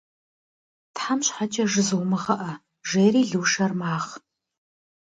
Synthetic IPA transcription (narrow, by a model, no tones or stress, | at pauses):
tħamɕħat͡ʃʼɐʒɨzɨwmɨʁɐʔɐ | ʒeːriːɮɨwʃɐrmaːʁ